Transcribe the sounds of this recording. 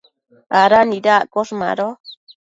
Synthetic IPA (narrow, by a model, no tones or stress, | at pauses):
aɾanĩɾakoʂmã̰ɾo